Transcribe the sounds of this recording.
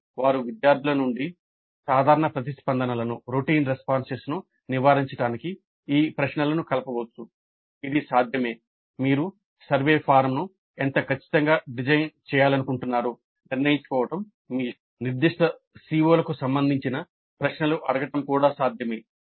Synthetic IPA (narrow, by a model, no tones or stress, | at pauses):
ʋaːɾuʋid̪jaːɾd̪ʱulɐnuɳɖi | saːd̪ʱaːɾɐɳɐpɾɐt̪ispɐnd̪ʱɐnɐlɐnuɾuʈiːnɾespaːnɖst͡ʃeːsnu | niʋaːɾiɲt͡ʃɐʈaːniki | iːpɾɐʂɳɐlɐnukɐlɐpɐʋɐt͡sːu | id̪isaːd̪ʱjɐme̞ː | miːɾu | sɐɾʋe̞ːpʰaːɾmnu | ent̪ɐkɐt͡ʃːi̥t̪ɐŋɡaːɖid͡ʒɐjnt͡ʃɛːjaːlɐnukuɳʈunːaːɾu | niɾnɐjiɲt͡ʃu̥kɔːʋɐʈɐm | miː | niɾd̪iʂʈɐ | siːoːlɐkusɐmbɐnd̪ʱiɲt͡ʃinɐ | pɾɐʂɳɐluʔɐɽɐɡɐʈɐmkuːɽaːsaːd̪ʱjɐme̞ː